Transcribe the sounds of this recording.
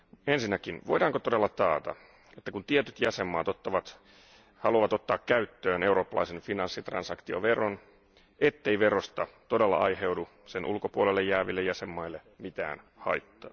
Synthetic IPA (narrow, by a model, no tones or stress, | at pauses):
ensinːækinʋo̞̰jdɑːŋkot̪o̞delːɑt̪ɑːt̪ɑ̰ | et̪ːækunt̪iet̪yt̪jæsemːɑːt̪ot̪ːɑʋɑt̪ | hɑluɑʋɑt̪o̞t̪ːɑːkkæyt̪ːøːne̞wɾo̞ːpːɑlɑ̰isenfinɑnsːit̪rɑ̰nsɑkt̪io̰ʋeron | et̪ːe̞iʋe̞rost̪ɑt̪o̞de̞lːɑ̰ʔɑjhe̞wdu | senʔṵlkopuolelːejːæːʋilːejæsemːɑilːe | mit̪æ̰ːn | hɑ̰jt̪ːɑː